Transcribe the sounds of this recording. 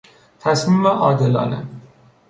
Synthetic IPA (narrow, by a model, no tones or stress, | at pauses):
t̪ʰæsmiːmvæʔɒːd̪elɒ̰ːne